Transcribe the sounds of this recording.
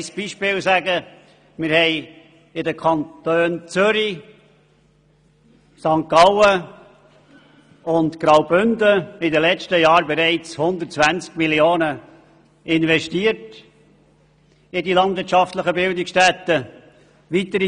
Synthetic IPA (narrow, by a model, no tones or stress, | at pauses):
sb̥iʃpɪːlsæɡə | mɪɾhɛɪ | ɪdəkʰɑnt̪øːnt͡sʏɾi | sɑŋkɑlə | ʊntkɾɑʊbʏndəɪdəlɛt͡ʃtəjɑːɾbɛɾɛɪt͡shʊnd̪ətt͡svænt͡skmilioːnə | ʔɪnvɛʃtiət | ɪdilɑndvɪːɾtʃɑftləχəbɪldɪkstɛt̪ːə | ʋit̪əɾi